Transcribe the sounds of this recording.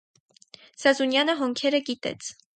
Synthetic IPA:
sɑzunjɑnəɦɔŋkʰɛɾəɡit̪ɛ̰t͡sʰ

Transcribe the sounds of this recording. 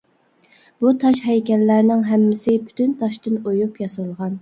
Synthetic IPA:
b̥ut̪ʰɑʃɦɛjkʲɛlːæɾnɪŋɦæmːɪsɪpʰy̥t̪ʰynt̪ʰɑʃt̪ɨnojupjɑsɨlˠʁɑn

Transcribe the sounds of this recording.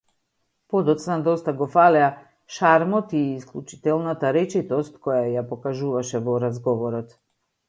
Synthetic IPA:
pɔd̪ɔt̪snad̪ɔst̪aɡɔfalɛa | ʃaɾmɔt̪iːsklˠut͡ʃi̥t̪ɛlˠnat̪aɾɛt͡ʃit̪ɔst̪kɔjajapɔkaʒuvaʃɛvɔɾazɡɔvɔɾɔt̪

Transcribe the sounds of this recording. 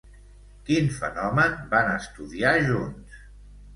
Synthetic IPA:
kinfə̰nɔmənbanəst̪uðiaʒuns

